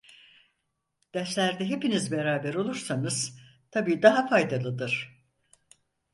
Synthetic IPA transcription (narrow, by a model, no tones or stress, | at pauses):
d̪̥ɛslʲæɾd̪ɛɦe̞pinizbeɾaːbɛɾo̞lˠuɾsanɯz̥t̪ʰabiːd̪aɦafajd̪alˠɯd̪ɯɾ̥